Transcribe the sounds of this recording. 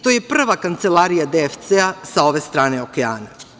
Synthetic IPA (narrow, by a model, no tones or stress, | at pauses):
t̪o̞ːje̞pr̩ʋakant̪se̞laːɾijad̪eft̪seasao̞ʋe̞ːst̪ɾaːne̞o̞kea̰ːna